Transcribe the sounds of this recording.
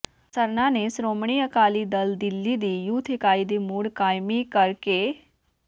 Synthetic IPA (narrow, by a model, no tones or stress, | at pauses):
sɐɾnãnesɾoːmɳ̃iəkaːlid̪ɐld̪ɪlːid̪iːjut̪ʰekaːid̪imuːɽkaːjmikɐɾke